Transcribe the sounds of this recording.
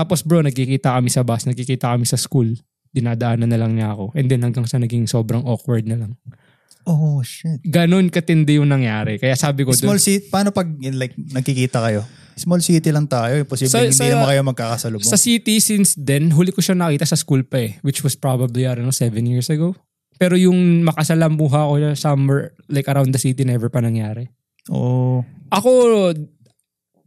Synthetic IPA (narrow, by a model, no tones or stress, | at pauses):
aːposbɹonɐɡ̚kikiːt̪ɐkɐmisɐbasnɐɡkikiːt̪ɐkɐmisɐskul | d̪̥ɪnaːd̪ɐʔaːnɐnːɐlɐŋɲaɐko̞ʔɛnd̪ɛnhɐŋɡɐŋʃanɐɡiŋso̞ːbɾɐŋokwɐɹd̪̚nɐlɐŋ | oʃɪt̪ɡɐno̞nkɐt̪ɪnd̪ɛjʊŋnɐŋjaːɾɛkɐjaʔsaːbɪkodsmolsit̪pɐaːnopɐɡ̚lajk̚nɐɡ̚kɪkiːt̪ɐkɐjo̞ | smolsit̪ilɐŋt̪aːjoʊposiːbɪɪninɐmɐakɐjomɐɡ̚kaːkɐsɐlʊsɐsit̪isɪnsd̪ɛnɦuːlɪkoʃanɐkiːt̪ɐsɐskulpɐɛwɪt͡ʃwɐspɹabɐbliʔɐɾnsɛvɛnjiɹsɐɡo | pɛːɾojʊŋmɐkɐsɐlɐmbuːɦɐɐkoʃasɐmwɛɹ | lajkɐɾawnd̪ɐsit̪inɛvɛɹpɐnɐŋjaːɾɛ | ʔo̰ʔɐko̞